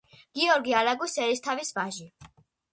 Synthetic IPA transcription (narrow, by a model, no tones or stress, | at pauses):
ɡ̥iɔɾɡialaɡusɛɾist̪ʰavisbaʒi